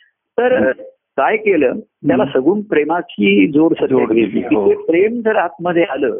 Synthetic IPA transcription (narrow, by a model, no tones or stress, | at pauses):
t̪əɾ | kajkeləːt̪jalasəɡuːnpɾemakʰiːd͡zoɽsət̪eeitepɾemd͡zəɾɦat̪̚məd̪ʱjealəː